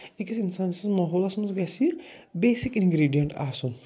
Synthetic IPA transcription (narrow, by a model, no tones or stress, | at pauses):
ikisinsansizmɐɦoːlɐsmɐzɡɐsiɾbeːsikinɡɾiːɖijɐɳʈa̰ːsũ